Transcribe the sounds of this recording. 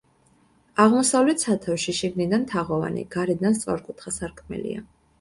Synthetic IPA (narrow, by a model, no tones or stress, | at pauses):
aʁmɔsavlɛt̪ʰsat̪ʰɛfʃiʃiɡnid̪ant̪ʰaʁɔva̰nḭɡ̥aɾɛd̪anst̪sʼɔɾkʼut̪ʰχasaɾkʰmɛ̰lḭa̰